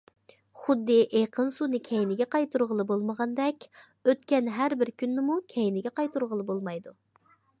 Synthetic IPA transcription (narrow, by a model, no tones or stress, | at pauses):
χʊd̪ːɨʔeqʰənsunɨkʲʰɛjnɪɡʲɛqɑjt̪uɾʁəlˠɨbolˠməʁɑnd̪ɛkʲ | øt̪kʲɛnɦæɾbɪɾkʲynːɪmukʲʰɛjnɪɡʲɛqɑjt̪uɾʁəlˠɨbolˠmɑjd̪u